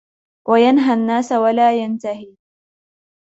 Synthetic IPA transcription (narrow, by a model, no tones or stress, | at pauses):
wʔajanɦanːaːsawalaːjant̪ahiː